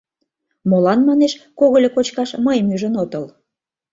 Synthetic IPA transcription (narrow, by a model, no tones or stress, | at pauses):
molɑnmɑneʃkoɣolʲekot͡ɕkɑʃməjmyʒənot̪əl